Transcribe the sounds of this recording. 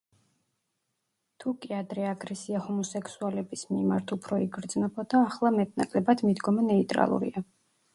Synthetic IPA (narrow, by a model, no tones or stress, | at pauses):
t̪ʰukʼiad̪ɾɛaɡɾɛsiahɔmɔsɛkʰsualɛbismima̰ɾt̪ʰupʰɾɔiɡɾd̪znɔbɔd̪aːχlˠamɛt̪̚na̰kʼlɛbad̪mid̪ɡɔmɛnɛit̪ʼɾa̰lˠṵɾḭa